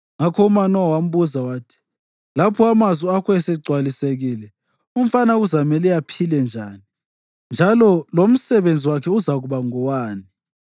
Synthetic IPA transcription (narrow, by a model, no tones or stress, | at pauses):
ŋakʰɔumanɔwam̩βuzawaːtʰi̥ | lapʰɔamaziakʰɔɛsɛɡ͡ǀʱwaliseɣiːlɛ | um̩fanaɣuzamɛlɛjapʰilɛnd͡ʒʱaːni | nd͡ʒʱalɔlom̩sɛβend͡zʱiwakʰɛuzaɣuβaŋɔwaːni